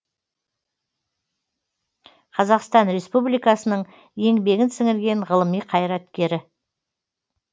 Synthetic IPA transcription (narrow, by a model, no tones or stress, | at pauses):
qʰɑzɑqst̪ɑnɾe̞spublijkɑsənəɴ | je̞ŋbe̞ɡʲɪnsɪŋɪɾɡʲe̞ɴʁəlˠəmijqʰɑjɾɑt̪kʲe̞ɾɪ